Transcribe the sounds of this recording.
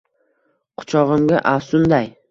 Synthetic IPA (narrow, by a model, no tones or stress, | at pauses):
qʰʊ̥t͡ʃʰɒʁɨmɡʲa̰ʔasʊnd̪aj